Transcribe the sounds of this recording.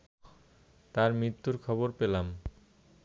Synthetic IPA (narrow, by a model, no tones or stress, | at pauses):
t̪aɾmɾit̪ːuɾkʰɔβoɾpelam